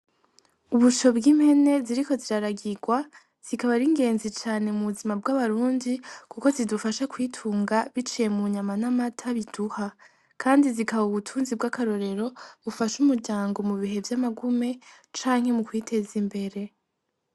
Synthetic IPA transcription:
uβut͡ʃo̞bɡimhe̞ne̞ziɾiko̞ziɾaɾaɡiɡwa | z̥ikaβaɾiŋɡe̞ːnzit͡ʃaːne̞muβuzimabɡaβaɾuːndikuko̞zidufaʃakwiːtʰuːŋɡaβit͡ʃije̞muɲamanamatʰaβiduha | kʰaːndizikaβauβutʰuːnzibɡakaɾo̞ɾe̞ɾo̞βufaʃumuɾɟaːŋɡo̞muβiɦe̞vjamaɡume̞ | t͡ʃaːŋ̥he̞mukwiːtʰe̞zimbe̞ɾe̞

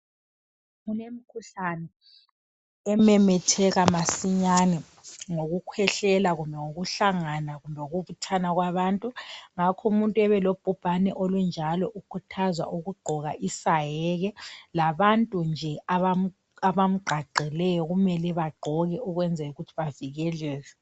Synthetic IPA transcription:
unemikʰuɬanɛ | ɛmɛmɛtʰɛɣamasiɲanɛ | ŋoɣukʰwɛɬɛlaɣumbʱɛŋoɣuɬaŋanaɣumbʱɛoɣuβutʰanaɣwaβaːntʼuŋakʰɔumuntʼuɛβɛlob̥ʱub̥ʱanɛʔolund͡ʒʱalɔʔukʰutʰazwa̰ʔuɣuɡ͡ǃʱɔɣaʔisajɛɣɛlaβantʼund͡ʒʱɛaa | aβam̩ɡ͡ǃʱaɡ͡ǀʱɛlɛjɔɣumɛlɛβaɡ͡ǃʱɔɣɛuɣwɛnd͡zʱɛjuɣutʰiβaviɣɛlɛːlɛ

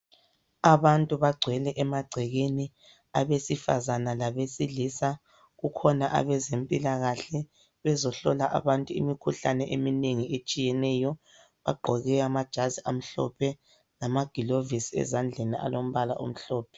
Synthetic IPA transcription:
aβantʼuβaɡ͡ǀʱwɛlɛʔɛmaɡ͡ǀʱɛɣeni | aβesifazanalaβesilisa | ɣukʰɔnaʔa̰βɛzempʼilaɣaɬɛ | βɛzɔɬɔlaʔa̰βantʼuḭmikʰuɬanɛʔemineŋiet͡ʃʼijɛnɛːjɔ | βaɡ͡ǃʱɔɣɛamad̥ʒ̥ʱaziʔam̩ɬɔ̰pʰɛ | lamaɡ̥ʱilovisɛ̰zand͡ɮʱenia̰lom̩βala̰ʔo̰m̩ɬɔːpʰɛ̥

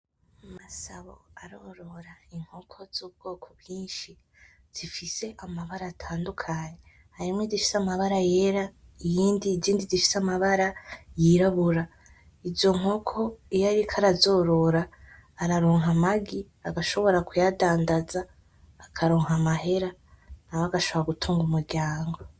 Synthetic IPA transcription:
masaβoaɾo̞ɾo̞ɾaiŋ̥ho̞kʰo̞z̥uːb̚ɡ̥o̞ːkʰoβjiːnʃi | z̥ifise̞ʔamaβaɾaːtʰaːndukʰaːɲe | haɾimŋwediʃi̥samaβaɾajeɾaijiːndiziːndidiʃi̥samaβaɾajiɾaβuɾa | izo̞ŋ̥o̞kʰo̞ijaɾikʰaɾazo̞ːɾo̞ɾaːɾaɾoːŋɦamaɡi | aɡaʃo̞βo̞ɾakujadaːndazaː | kʰaɾoːŋɦamaɦe̞ɾan̥aβaɡaʃo̞βoɾaɡutʰuːŋɡumuɾɟaːŋɡo̞

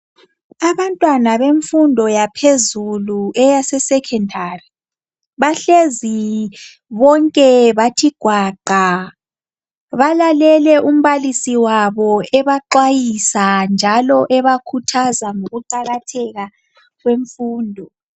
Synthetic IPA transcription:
aβantʼwanaβeɱfundʱɔjapʰezuluɛjasɛsɛkʰɛndʱari | βaɬezi | βɔŋkʼɛβatʰiɡ̥ʱwaːǃʱa | βalalɛlɛʔum̩βalisiwaβɔɛβaǃwajisand͡ʒʱalɔʔɛβakʰutʰazaŋoɣuǃaɣatʰɛɣa | ɣweɱfuːndʱɔ

